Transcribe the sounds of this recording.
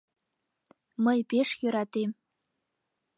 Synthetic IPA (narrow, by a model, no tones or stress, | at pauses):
məjpeʂjøɾat̪em